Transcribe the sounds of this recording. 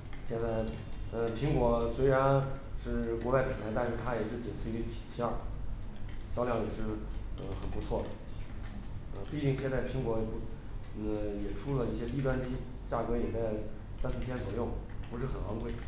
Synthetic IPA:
ɕjɛ˥˧nt͡sa˥˩ɪə˧pʰi˧˥ŋkwɔ˧˥swe˧˥ɪɻa˧˥nʂɻ̩˥˩kwɔ˧˥wa˥˩ɪpə˨˩nlʰa˧˥ɪt̪a˥˧nʂɻ̩˥˧˩t̪ʰa˥jɛ˨˩ʂɻ̩˥˩t͡ɕə˨˩nt͡s̩̪ʰ˥˧i˥˩t̪ʰi̥˨˩t͡ɕʰɑ˥˩ə˩ | ɕjɑ˥ʊljɑ˥˩ŋjɛ˨˩ʂɻ̩˥˩ə̰˧xə˨˩npu˧˥t͡sʰwɔ˥˩d̪ə̰˩ | ə˧pi˥˧t̪i˥˩˧ŋɕʰjɛ˥˧nt͡sa˥˩pʰi˧˥ŋkwɔ˧˥˧ | jɛ˨˩ʈ͡ʂʰu˥lə˨i˥˩ɕjɛ˥t̪i˥˧t̪wa˥˧nt͡ɕi˥ | t͡ɕja˥˩kɤ˧˥jɛ˨˩t͡sa˥˧ɪ | sa˥ns̩˥t͡ɕʰɛ˥t͡swɔ̰˨˩jʊ˥˩ŋpu˧˥ʂ̬ɻ̩˥˩xə˨˩nwɑ˧˥ŋkwe˥˩ɪ

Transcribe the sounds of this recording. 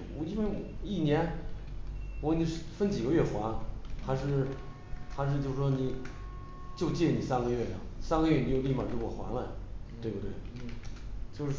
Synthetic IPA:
ɔ˨˩i˥nwe˥˩ɪwɔ˨˩i˥˩njɛ˧˥n | wɔ˧˥ni˧˩ʂfə˥nt͡ɕi˨˩ɡə˦ɥɛ˥˩xwa˧˥nxa˧˥ɪʂɻ̩˥˩ | xa˧ɪʂ̬ɻ̩˥˧t͡ɕjo˥˧ʊʂ̩ɻ̩˥˩ʂwɔ˥ni˧˨˩ | t͡ɕjo˥˧ʊt͡ɕjɛ˥˩˨ni˨˩sa˥nɡə˧ɥɛ˥˩ɐ˨˩sa˥nɡə˧ɥɛ˥˩ni˨˩t͡ɕjo˥˧ʊli˥˩ma˨˩t̪wɔ˨˩xwa̰˧˥nlə˧t̪we˥˧ɪbu˥˩t̪we˥˩ɪ | t͡ɕjo˥˧ʊʂ̩˥˩˥

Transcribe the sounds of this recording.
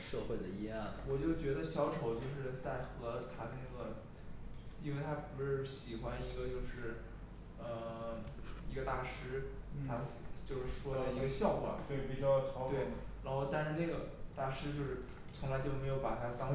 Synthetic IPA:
ʂɤ˥˧xwe˥˩ɪd̪ə˩i˧˥jɑ˥˩nwɔ˨˩t͡ɕjo˥˩ʊt͡ɕɥɛ˧˥d̪ə˧ɕjɑ˧˥ʊʈ͡ʂʰo˨˩ʊt͡ɕjo˥˧ʊʂɻ̩˥˧t͡sa˥˩ɪxɤ˧˥t̪ʰa˥na˥˩ɡə˩ | t̪i˥˧fe˥ɪt̪ʰa˥pu˧˥ʂɻ̩˥˩ɕi˨˩xwa˧˥ni˧˥ɡə˧t͡ɕjo˥˧ʊʂɻ̩˥˩ | ə˧˩ | i˧˥ɡə˧t̪a˥˩ʂɻ̩ʰ˥a˥t͡ɕjo˥˧ʊʂɻ̩˥˩ʂwɔ˥d̪ɑ˥˧˩i˧˥ɡə˧ɕjɑ˥˩ʊkwa̰˨˩˦nt̪i˨˩ɑ˥˧t͡ɕʰɑ˧˥t̪we˥e˥˩ɻa˧˥nxo˧ʊt̪a˥˧nʂɻ̩˥˧ne˥˩ɡə˩t̪a˥˩ʂɻ̩˧˥t͡ɕjo˥˧ʊʂɻ̩˥˩ | t͡sʰʊ˧˥ŋla˧˥ɪt͡ɕjo˥˩ʊme˧˥ɪjo˧˥ʊpa˨˩t̪ʰa˥t̪ɑ˥ŋ

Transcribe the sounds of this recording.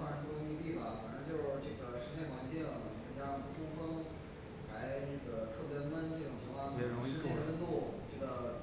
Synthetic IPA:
a˥˩˧u˥˧˩ə˥mi˧˥pi˥˩bɐ˨˩fa̰˨˩nʈ͡ʂə˧˥t͡ɕjo˥˧ʊʈ͡ʂɤ˥˩ɡə˦ʂɻ̩˥˧t͡ɕʰɪxwa˧˥nt͡ɕjɛ˥˩˨t͡ɕʰɛ˧˥˩t͡ɕjɑ˥ŋpu˥˩fʰʊ˥ŋfə˥ŋ | la˧˥ɪnə˥˩ɡə˩t̪ʰɤ˥˩pjɛ˧˥mə˥nʈ͡ʂɤ˥˩ʈ͡ʂʊ˨˩ŋt͡ɕʰɛ˧˥wa˥˩˥ʂɻ̩˥t͡ɕʰjɛ˥˩wə˥t̪u˥˩ʈ͡ʂɤ˥˩ɡə˩

